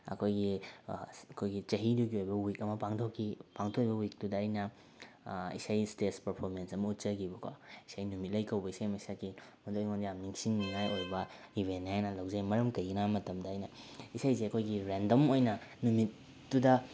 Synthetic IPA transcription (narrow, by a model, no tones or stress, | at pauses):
ɐ̰kʰojɡi | ɐkʰojɡit͡ʃɐɦiduɡiojbɐwikɐmɐpaŋtʰokʰːipaŋtʰokijbɐwik̚dudɐːjnɐ | ḭsajstetspɐɾpʰoɾmensɐmɐut̚t͡ʃɐɡibɐkʰaisajnumit̚lɐjkɐwbɐisajmɐisakimɐdojŋondijamniŋsiŋniŋajojbɐ | ibʱenːihajnɐlawzajmɐɾɐmkɐjɡinamɐtɐmdɐːjnɐisajzeɐkʰojɡiɾendɐmojnɐnumit̚ː | udɐ